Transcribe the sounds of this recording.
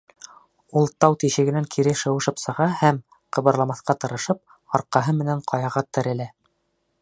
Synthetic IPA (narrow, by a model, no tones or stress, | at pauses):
ulˠt̪ɑwt̪iʃɘ̆ɡɘ̆næŋkʰiɾɘʃɤ̆wɤ̆ʃɤpsɤ̆ʁɑhæm | qɤ̆βɤ̆ɾlˠɑmɑθqɑt̪ɤ̆ɾɤ̆ʃɤp̚ | ɑɾqɑɦɤmɘ̆næɴqʰɑjɑʁɑt̪ɘ̆ɾɘ̆læ